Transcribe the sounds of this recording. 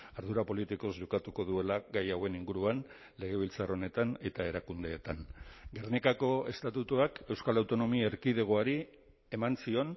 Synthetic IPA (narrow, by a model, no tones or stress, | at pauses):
aɾðuɾapo̞lit̪iko̞zʝo̞kat̪uko̞ðue̞laɡajawe̞niŋɡuɾuan | le̞ɣ̞e̞β̞ilt͡saro̞ne̞t̪ane̞t̪ae̞ɾakund̪e̞ːt̪anɡe̞rnikako̞e̞̰st̪at̪ut̪uake̞wskalawt̪o̞no̞miaeɾkiðe̞ɣ̞oaɾi | e̞mansio̞n